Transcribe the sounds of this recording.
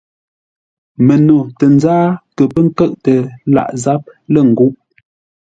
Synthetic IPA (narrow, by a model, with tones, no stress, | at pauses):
mə˨no˨tə˨n˦zaː˦kə˨pə˦ŋ̩˦kə˦ʔtə˨la̰˨ʔza˨˦p̚lə˦˨ŋ̩˨ɡu˦ʔ